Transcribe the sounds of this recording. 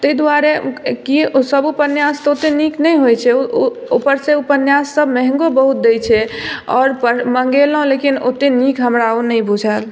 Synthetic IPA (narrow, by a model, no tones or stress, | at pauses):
t̪əjd̪waɾekiosəbupənjast̪ɔot̪eniknɛjɦojt͡ʃʰɛopəɾseupənjasːəbmɛɦŋɡobəɦut̪̚d̪ejt͡ʃʰɛɔ̰ːɾpəməŋɡelɦõlekino̰t̪enikɦəmɾaonəjbud͡ʒʱəl